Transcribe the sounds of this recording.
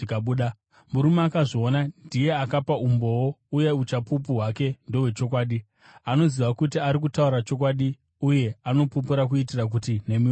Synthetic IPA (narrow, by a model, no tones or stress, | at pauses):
kaɓuːɗa | muɾumakaʐoonandije̞akapaumbo̞wouje̞ut͡ʃapup̬uɦwake̞ndo̞ɦwe̞t͡ʃo̞k̬waːɗi | ano̞ziʋakutiaɾik̬utaurat͡ʃo̞k̬waɗi | uje̞ano̞pup̬uɾakuitirak̬utine̞mi